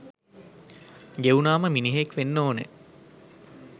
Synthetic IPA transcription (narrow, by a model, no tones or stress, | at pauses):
ɡeunaːməminiɦekʋenːoːnḛ